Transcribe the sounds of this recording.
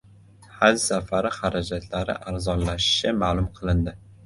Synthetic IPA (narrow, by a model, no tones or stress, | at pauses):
had͡ʒsafaɾɪχaɾad͡ʒat̪ʰlaɾɪ̰ʔaɾzɒnlaʃɪ̥ʃɪmaːlˠʊmqʰɨlˠɪnd̪ɪ